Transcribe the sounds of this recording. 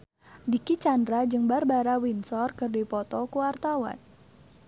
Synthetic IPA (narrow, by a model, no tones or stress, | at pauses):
dikit͡ʃandɾad͡ʒɨŋbarbaɾawinsɔrkɨrdipɔt̪ɔkuwart̪awa̰n